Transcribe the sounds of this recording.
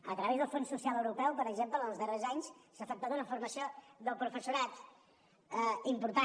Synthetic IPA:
ət̪ɾəβezðəlˠfonsusialˠəwɾupɛwpəɾəɡzemplənəlˠzðərezaɲssəfək̚t̪at̪unəiɱfuɾməsioðəlˠpɾufəsuɾat̪ | əimpuɾt̪a

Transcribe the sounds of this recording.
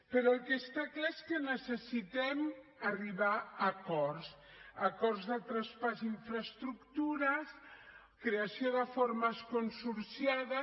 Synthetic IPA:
pəɾɔəlˠkest̪aklaeskənəsəsit̪ɛm | ariβaɐkɔɾs | ɐkɔrzðət̪ɾaspaziɱfɾəst̪ɾukt̪uɾɐs | kɾeasioðəfoɾməskonsuɾsjaðə

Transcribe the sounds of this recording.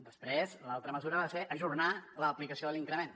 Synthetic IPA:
d̪əspɾezlalˠt̪ɾəməzuɾəβaseʔəʒurnaləːplikəsioðəliŋkɾəmen

